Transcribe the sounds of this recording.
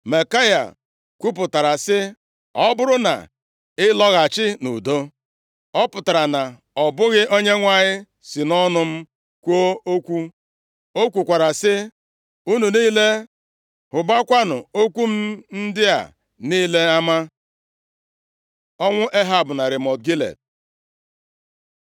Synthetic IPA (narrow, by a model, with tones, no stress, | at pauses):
me˨ka˦ja̰˨ | kʷu˦p̬ʊ˨ta˨ɾa˨sɪ˦ | ɔ˦bʊ˦ɾʊ˦na̰˨ | ɪ˦lɔ˦ɣa˨t͡ʃɪ˦nṵ˨do˦ | ɔ˦pʊ˨ta˨ɾa˨na˨ | ɔ˨bʊ˦ɣɪ˦ʔo˦ɲe˦ŋʷa˨ɲɪ˦ | si˨nɔ˦nʊ˦m̩˦ | kʷo˦o˦kʷu˦ | o˦kʷu˨kʷa˨ɾa˨sɪ˦ | u˦nu˨niː˦le˦ | hʊ˨ba˦kʷa˦nʊ˨o˦kʷu˦m̩˦n̩˦dɪ˦a̰˨ | niː˦le˦a˦ma˦ | ɔ˦ŋʷʊ˦ʔe˦ɦa˨bʊ˨na˨ɾɪ˨mɔ˨t̚ɡi˦lḛ˨t̚